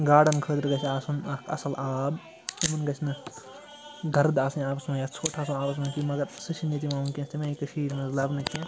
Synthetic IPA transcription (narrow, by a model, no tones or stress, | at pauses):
ɡaːɽɐnkʰəːt̪ɾɡɐt͡ʃʰʲaːsunɐkʰɐ̰sɐlʔaːb | tumɐnɡɐt͡ʃʰʲnɨ | ɡɐɾd̪aːsɐnaːpɐsmɐjɐt͡sʰoʈʰaːsũaːpɐs̬mɐkimɐɡɐɾsɨt͡ʃʰinjɐt̪̬imaːunkʲĩɐst̪imɐikɐʃiːɾnɐzlɐbnɐkĩ